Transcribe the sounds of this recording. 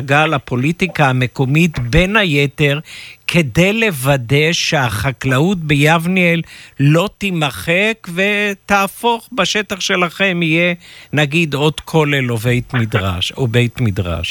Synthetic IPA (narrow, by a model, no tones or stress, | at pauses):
ɡalapʰo̞litikaːme̞ko̞mit̪be̞nhajete̞ʁkʰe̞de̞jle̞vade̞ʃeaχaklaut̚bejavniellːo̞t̪imaχekve̞taːfo̞χbaʃe̞t̪aχʃe̞laχe̞mije̞naɡid̪o̞dkʰo̞lelovejt̪midʁa̰ʃobe̞jt̪mid̪ʁa̰ʃ